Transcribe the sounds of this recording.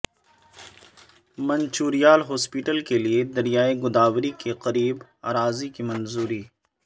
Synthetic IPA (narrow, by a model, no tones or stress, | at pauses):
mɐ̃nt͡ʃuːɾijaːlɦɔːspiːʈəlkelied̪ɐɾijaːeɡʊd̪aːwɾikeqɐɾiːbaːɾaːzikimɐnzuːɾiː